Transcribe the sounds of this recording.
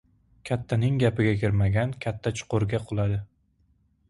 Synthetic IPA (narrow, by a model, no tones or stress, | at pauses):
kʲʰat̪ʰːanɪŋɡʲapɪɡʲakʲʰɪɾmaɡʲankʲʰat̪ʰːat͡ʃʰʊ̥qʊɾɡʲaqʰʊlˠad̪ɪ